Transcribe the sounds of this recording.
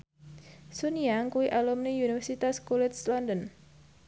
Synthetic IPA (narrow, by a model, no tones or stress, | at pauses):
suniaŋkuwiʔalumniunifɛrsit̪askulɪt̪slɔndən